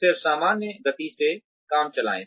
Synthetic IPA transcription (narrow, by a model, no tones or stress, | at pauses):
ɪɾsaːmaːnːeɡɐt̪ise | kaːmt͡ʃɐla̰ːḛ̃ː